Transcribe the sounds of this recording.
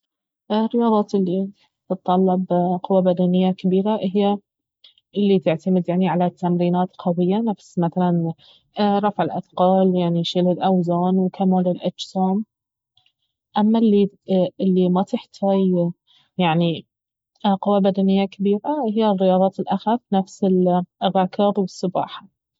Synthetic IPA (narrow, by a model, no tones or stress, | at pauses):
rːɪjɑːðˤɑːt̪ɪlːi | t̪ɨt̪ˤːɑlːɪbqʊwːabad̪anɪjːakabiːɾaʔɦɪjːa | ʔɪlːit̪ɪʕt̪amɪd̪jaʕniʕalat̪ːamɾiːnaːt̪qʰɑwɪjːanafsmaθalan | ɾˤɑfʕɪlʔa̰θqɑːljaʕniʃɪlɪlʔawzaːnwkʰamaːlɪlʔad͡ʒsaːm | ʔamːalːiɪlːimat̪ɪħt̪ʰaːj | jaʕni | qʊwːabad̪anɪjːakabiːɾaʔhɪjːarːɪjɑːðˤɑːt̪ɪlʔaxafnafsɪlrːɑkɑbwɪsˤːɨbɑ̰ːħḁ